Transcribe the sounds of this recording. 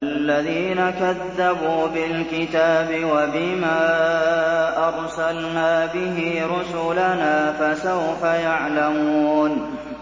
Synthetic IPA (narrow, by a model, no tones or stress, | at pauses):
alːaðiːnakaðːabuːbɪlkɪt̪aːbɪwabɪmaː | ʔɑɾsalnaːbɪɦɪɾʊsʊlanaːfasawfajaʕlamuːn